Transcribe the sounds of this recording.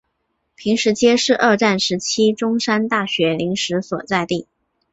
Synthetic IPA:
pʰi˧˥ŋʂɻ̩˧˥t͡ɕjɛ˥ʂɻ̩˥˧ʔə˥˧ʈ͡ʂa˥˩nʂɻ̩˧˥t͡ɕʰi˥ʈ͡ʂʊ˥ŋʂa˥nt̪a˥˩ɕɥɛ˧˥li˧˥ŋʂɻ̩˧˥swɔ˨˩t͡sa˥˧ɪt̪i˥˩

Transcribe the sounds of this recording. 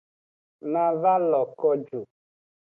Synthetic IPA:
nã˨va˦lɔ˨kɔ˦d͡ʒu˨

